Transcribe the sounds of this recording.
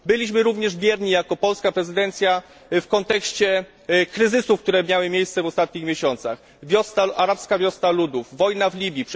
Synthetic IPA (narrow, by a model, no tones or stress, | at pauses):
bɘlʲiɕmɘɾuvɲɛʐbʲjɛɾɲijakɔpɔlskapɾɛzɘd̪ɛnt̪sʲja | fkɔnt̪ɛkɕt͡ɕɛ | kɾɘzɘsufk̚t̪uɾɛmʲjawɘmʲjejst̪sɛvɔst̪at̪̚ɲixmjeɕɔnt̪sa̰x | vʲjɔst̪aaɾapskavʲjɔst̪alud̪uvːɔjnavlʲibʲjip